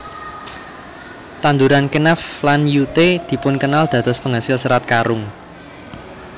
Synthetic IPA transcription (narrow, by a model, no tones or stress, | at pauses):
t̪and̪uɾankenaflanjut̪ed̪̥i̤pʊnkənald̪̥ä̤d̪̥ɔspəŋɦasɪlsəɾat̪̚kaɾʊŋ